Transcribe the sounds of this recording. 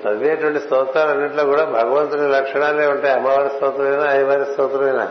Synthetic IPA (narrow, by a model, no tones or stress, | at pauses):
pɐdjeːɐʈuʋɐɳʈisɔːt̪ɾaːlɐnːiʈloːkuːɽaːbʱɐɡɐʋɐnt̪unɐɾɐkʂɐɳaːleːuɳʈeɐmːɐʋaːɾist̪ɐːt̪ɾɐmɐjnaːiʋaːɾisɔːt̪ɾɐmɐjna̰ː